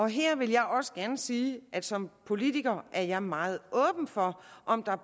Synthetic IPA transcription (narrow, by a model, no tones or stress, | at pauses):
ɒ̽ɦeɐ̰ʋe̝ljɑ̈ɪʔɒ̽sə̥ɡ̥æɐnəsiːʔæd̥sɒ̽mpʰo̝lit͡sʰiɡ̥ɐʔæɐjɑ̈ɪmɑ̈ːð̞̩ˠɔ̽ːb̥n̩fɒ̽ʔɒ̽md̥ɑ̈